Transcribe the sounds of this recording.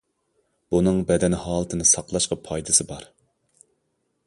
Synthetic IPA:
b̥unɨŋbɛd̪ɛnhɑːlˠɨt̪ʰɨnɨsɑqlˠɑʃqɑpʰɑjd̪ɨsɨbɑɾ

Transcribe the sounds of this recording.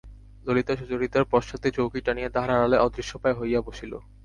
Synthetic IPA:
d̪olit̪oʃud͡ʑoɾit̪aɾpɔʃat̪it͡ɕowkiʈanijed̪aɦaɾaɾaleʔɔd̪ɾiʃːopaeɦojaboʃilo̰

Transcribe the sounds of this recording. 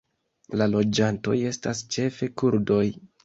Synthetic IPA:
lalo̞d͡ʒanto̞̰je̞stast͡ʃe̞fe̞kuɾdo̞j

